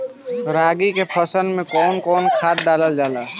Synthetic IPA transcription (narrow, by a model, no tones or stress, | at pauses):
ɾaːɡikepʰəsənmẽkɔːnkɔːnkʰaːt̪̚ɖaːləld͡ʒaːlaː